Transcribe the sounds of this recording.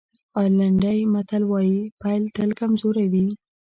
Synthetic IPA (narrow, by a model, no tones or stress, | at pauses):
ɑlaɳɖajmat̪alwɑjipajlt̪əlkamzoɾawi